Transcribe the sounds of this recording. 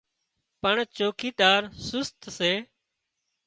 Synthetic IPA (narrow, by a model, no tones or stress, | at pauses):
pəɳt͡ʃoːkiːt̪aːɾsʊst̪seː